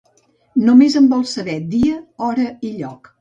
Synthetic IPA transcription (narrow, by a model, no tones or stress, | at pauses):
numezəmbɔlˠsəβɛd̪iəɔɾəiʎɔk